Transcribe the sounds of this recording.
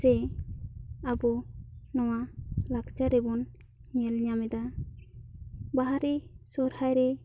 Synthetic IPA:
ɛ | abɔnɔwalaɡt͡ʃaɾɛbɔn | ɲɛlɲamɛd̪a | baɦaɾisɔɾhajɾɛ

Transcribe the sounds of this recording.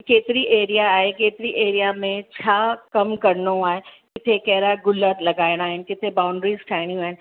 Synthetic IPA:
keːt̪ɪɾiʔeːɾijaːɦekeːt̪ɪɾiʔeːɾijamẽt͡ɕʰaːkɐmkɐɾnoaːɦekɪt̪ʰekɐɦɾaɡʊlət̪lɐɡaːɪɽ̃aːɦɪnɪ̆kɪt̪ʰebaːʊɳɖɾizʈʰaːɪɽ̃jũaːɦɪnɪ̆

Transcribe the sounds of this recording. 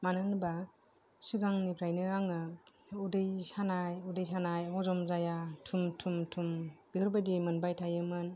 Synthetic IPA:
manɯnba | sɯɡaŋnipʰɾajnɯaŋɯudɯjsanajudɯjsanajɔzɔmzajatʰumtʰumtʰumb̥ihɯɾbadimɯnbajtʰajɯmɯn

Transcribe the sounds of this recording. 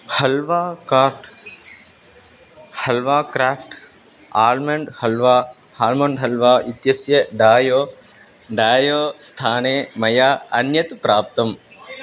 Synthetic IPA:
hɐlʋaːkaːɾʈ | hɐlʋaːkɾaːfʰʈ | aːlmɐɳɖhɐlʋaː | haːlmɐɳɖɦɐlʋaːit̪jɐsjɐɖaːjoː | ɖaːjoːst̪ʰaːneːmɐjaːɐnjɐt̪pɾaːp̚t̪ɐm

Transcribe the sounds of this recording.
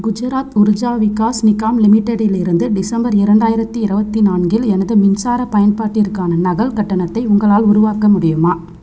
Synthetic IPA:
ɡʊd͡ʒɯɾaːt̪ʊɾʊd͡ʒaːʋɪkːaːsnɪkːaːmlɪmɪʈːɐɽɪlɪɾɯnd̪ɯɖɪsɐmbɐɾɪɾɐɳɖaːjɪɾɐt̪ːɯɪɾɐbɐt̪ːinaːnɡɪlɛnɐðɯmɪnsaːɾɐpɐjɐnpaːʈːɪɾkːaːnɐnɐɣɐlkɐʈːɐɳɐt̪ːɐɪʊŋɡɐɭaːlʊɾʊʋaːkɐmʊɽɪjɯmaː

